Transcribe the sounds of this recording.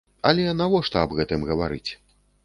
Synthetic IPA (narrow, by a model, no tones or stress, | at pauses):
ɐlʲɛnavɔʂt̪ɐɐbɣɛt̪ɨmɣɐvaɾɨ̰t͡sʲ